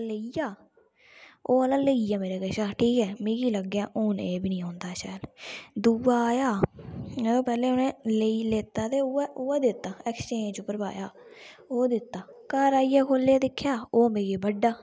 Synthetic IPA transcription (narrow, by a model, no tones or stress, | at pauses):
ləijaː | oːəlãːləiaːmeːɾeːkəʃaːʈʰiːkɛːmĩːɡiːləɡjaːʔoːneːbiːnĩːɦõːnd̪aːʃɛːld̪uːaːaːjaːmɛ̃ːt̪õːpɛːleːʊnẽːleiːleːt̪ːaːt̪eːʊɛʔʊaːd̪ɪt̪ːaːɛːkst͡ʃẽːɲd͡ʒʊpːəɾba̰ːjaː | oːd̪ɪt̪ːaːkaɾaːiːɛːkʰoːlːeːd̪ɪkʰːjaːoːmeːɡeːbəɖːaː